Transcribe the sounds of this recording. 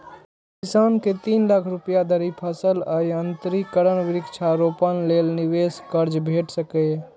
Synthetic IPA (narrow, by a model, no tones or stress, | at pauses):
kɪsaːnket̪iːnlaːkʰɾupjad̪ʱəɾipʰəsələjənt̪ɾikəɾənʋɪɾɪkt͡ʃʰaɾopənleːlniʋeskəɾd͡ʒbʱeːʈsəkə